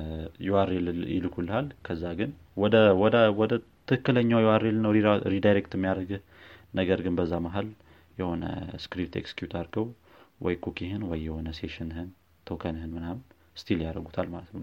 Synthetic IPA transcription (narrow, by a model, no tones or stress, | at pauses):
jɛwaɾeljɪ̰lɨkʰulːəhalkʰəzːaɡɨn | wɔd̪əwɔd̪əwɔd̪ət̪ʰːɨɨkːɨləɲːawjɛwaɾelnəwiɾid̪ajɾekt̪ɨmːijaɾəɡɨh | nəɡəɾɡɨnbəzːamaɦal | jɛho̞nə̰skɾip̚t̪ḛkskjut̪ʰaɾɡəw | wɔ̰jkʰukʰihɨnwɔjːɛho̞nəseʃɨnhɨn | t̪ʰo̞kʰənhɨnmɨnam | st̪ʰiljaɾəɡut̪ʰalmalət̪nəw